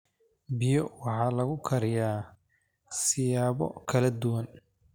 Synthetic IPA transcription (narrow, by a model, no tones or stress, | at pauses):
bɪjɔwɑħɑːlɐɣʊkʰɐɾɪjaː | sɪjaːβɔ̰kʰɐlɐd̪ʊwɐn